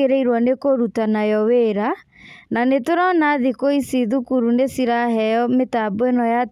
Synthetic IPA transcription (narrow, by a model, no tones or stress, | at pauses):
eɾeiɾwɔnekoɾutanajɔweɾa | nanetoɾɔnaðikoisiðukuɾunesiɾaɦɛjɔmetaboenɔja